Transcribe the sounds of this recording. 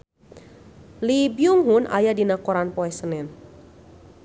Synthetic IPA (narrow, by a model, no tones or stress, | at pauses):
libjuŋɦʊnʔa̰jadinakɔɾanpɔɛsənɛn